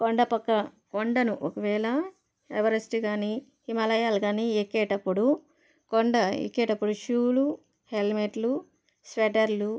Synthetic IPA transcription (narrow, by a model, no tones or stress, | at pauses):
koɳɖɐpɐkːɐkoɳɖɐnuʔokɐʋɛːlɐ | eʋɐɾesʈiɡaːni | himɐlɐjaːlɡaːniekːɛːʈɐpːuɽu | koɳɖɐḛkːeːʈɐpːuɽuʃuːlu | helmeʈlu | sʋeʈɐɾlu